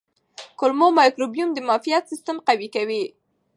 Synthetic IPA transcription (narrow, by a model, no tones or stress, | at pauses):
kʊlmomɑjkɾobijumd̪əmɑfijat̪sist̪əmqawikawi